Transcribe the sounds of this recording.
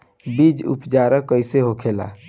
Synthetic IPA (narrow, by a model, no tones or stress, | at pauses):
bid͡ʒṵpd͡ʒaɾəkːəjseɦokʰela̰